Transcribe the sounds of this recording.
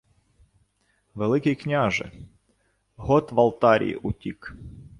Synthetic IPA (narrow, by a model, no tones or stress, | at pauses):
vɛlˠɨkʲijknʲaʐɨ̰ | ɣot̪vɐlˠt̪aɾʲɪ̰ʔʊtʲik